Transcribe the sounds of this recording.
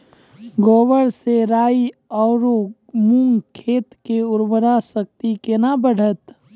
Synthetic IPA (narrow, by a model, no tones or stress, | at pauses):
ɡoːwəɽseɾaːiɔːɾo | muŋɡkʰeːt̪keʊɾbəɾasək̚t̪ikenabəɽ̤ət̪